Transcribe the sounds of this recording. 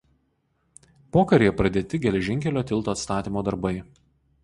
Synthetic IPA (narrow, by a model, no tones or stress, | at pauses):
poːkɐɾʲejɛpɾɐd̪ʲeːt̪ʲɪɡʲɛlʲɛʒʲɪŋʲkʲɛlʲoːt̪ʲɪlˠt̪oːɐt̪st̪ɑːt̪ʲiːmoːd̪ɐɾbɐɪ